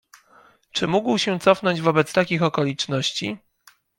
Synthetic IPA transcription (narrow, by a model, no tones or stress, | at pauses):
t͡ʂɘmuɡwɕɛt̪sɔfnɔɲd͡ʑvɔbɛt̪st̪akʲixɔkɔlʲit͡ʂnɔɕt͡ɕḭ